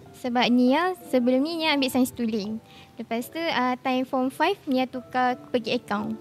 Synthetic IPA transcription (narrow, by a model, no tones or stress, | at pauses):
səbap̚nĩasəbəlumnĩɲããmbiʔsaj̃st̪uli | ləpast̪uət̪ajmfɔmfajfnĩat̪ukapəɡiəkawn